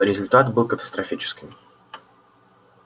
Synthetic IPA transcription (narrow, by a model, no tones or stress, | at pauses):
ɾʲɪzʊlʲt̪at̪bɨlˠkət̪ə̥st̪ɾɐfʲit͡ɕɪ̥skʲɪm